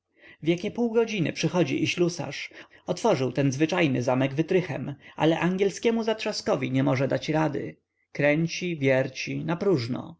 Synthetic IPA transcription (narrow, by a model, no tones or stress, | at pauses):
vʲjakʲɛpuwɡɔd͡ʑinɘ̰pʂɘxɔd͡ʑḭʔiɕlusa̰ʂ | ɔt̪fɔʐɘwt̪ɛnzvɘt͡ʂajnɘ̰zamɛɡvɘt̪ɾɘxɛma̰lɛʔaŋɡʲjɛlskʲɛmuzat̪ʂaskɔvʲiɲɛmɔʐɛd̪at͡ɕɾad̪ɘ̰ | kɾɛɲt͡ɕivʲjɛɾt͡ɕinapɾuʐnɔ̰